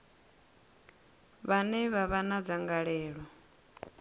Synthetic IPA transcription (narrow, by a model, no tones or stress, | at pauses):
βanɛβaβanad͡zaŋɡaɺɛːɺɔ